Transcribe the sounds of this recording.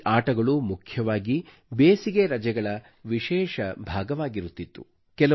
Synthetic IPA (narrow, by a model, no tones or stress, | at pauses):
ʔaːʈɐɡɐɭumukʰjɐʋaːɡi | beːsiɡeɾɐd͡ʒɐɡɐɭɐ | ʋiʃɛːʃɐbʱaːɡɐʋaːɡiɾut̪ːit̪ːṵ | kɛlɐ